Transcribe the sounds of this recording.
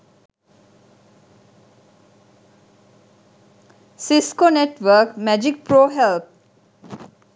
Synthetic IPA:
siskoneʈʋəːkmæd͡ʒik̚pɾoːɦelp̚

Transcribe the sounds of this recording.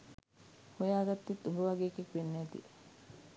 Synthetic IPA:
hojaːɡɐt̪ːit̪ːubəʋɐɡeːkekʋenːeːt̪ḭe

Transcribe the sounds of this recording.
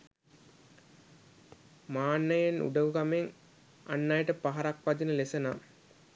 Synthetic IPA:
maːnːəjenṵɖəʋukameŋ | a̰nːajəʈəpaɦaɾakʋad͡ʒinəlesəna

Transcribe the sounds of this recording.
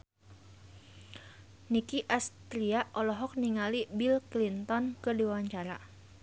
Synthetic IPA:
nikiʔast̪ɾiaʔʔɔlɔɦɔk̚niŋalibilklint̪ɔnkədiwawaɲt͡ʃaɾa

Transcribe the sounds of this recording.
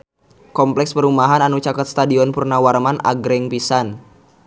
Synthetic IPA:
kɔmplɛkspəɾumaɦananut͡ʃakat̪st̪adiɔnpurnawarmanʔa̰ɡɾɛŋpisan

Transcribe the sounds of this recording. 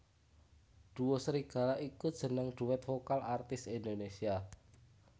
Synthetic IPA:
ɖ̪̥ṳwosəɾiɡ̥ä̤laʔikud̥ʒ̥ə̤nəŋɖ̪̥ṳwɛt̪fokalart̪ɪsind̪onesia

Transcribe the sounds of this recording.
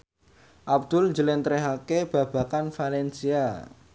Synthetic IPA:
ʔab̚d̪̥ʊlɲd͡ʒəlent̪ɾɛɦakeb̥ä̤b̥a̤kanfalɛnsia

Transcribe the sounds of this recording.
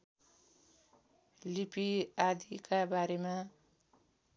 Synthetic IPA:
lipiad̪ikabaɾemã

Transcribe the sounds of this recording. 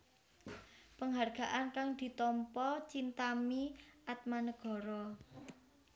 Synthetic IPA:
pəŋɦarɡ̥a̤ʔankaŋd̪̥i̤t̪ɔmpɔt͡ʃint̪amiʔat̪̚manəɡ̥ɔ̤ɾɔ

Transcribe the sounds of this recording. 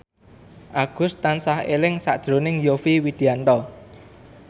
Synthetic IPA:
ʔaɡ̥ʊ̤st̪ansahelɪŋsa̰ʔd̥ʒ̥ɾo̤nɪŋjofiwid̪̥iant̪ɔ

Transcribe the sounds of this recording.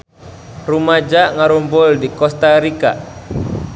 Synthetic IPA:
rumad͡ʒaʔŋaɾumbʊldikɔst̪aɾika̰

